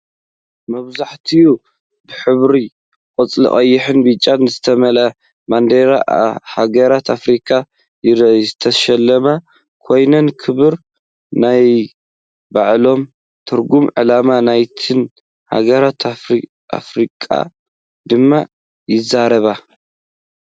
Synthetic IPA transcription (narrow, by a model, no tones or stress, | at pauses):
mɐβzaħt̪ʰiju | bɨħɨβɾi | kʼɨt͡sʼlɨ̰χʼɐjːɪħɨnbɨt͡ʃʼːanzɨt̪ʰɐmɐla | mand̪eɾahaɡɐɾat̪ʰafɾikʰa | ɨt̪ʰɐʃɐlːɐma | kʰo̞jnɐnkʰɨβɨɾ | naj | baʕlo̞m | t̪ʰɨɾɡumʕɨ̰lamanajt̪ʰɨn | ha̰ɡɐɾat̪ʰ | a̰fɾikʼa̰ | d̪ɨmːa | jɪzaɾɐβa